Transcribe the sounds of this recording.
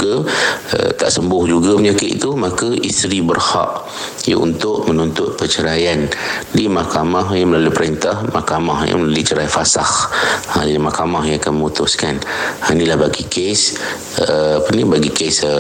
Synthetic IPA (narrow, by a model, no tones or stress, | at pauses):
ɡaə̰t̪a̰ʔsəmbʊhd͡ʒuɡaməɲakɪ̰ʔ̪t̪umakəʔist̪ɾibərha̰ʔ | ja̰ʔṵnt̪ʊʔmənunt̪ʊt̪̚pət͡ʃəɾajandimakamaɦjaməlaluipəɾent̪ahmakamahja̰məlaluit͡ʃəɾajfasahamakamahjãŋakanməmut̪ʊskanhainilahbaɡikʰes | əpənibaɡikesə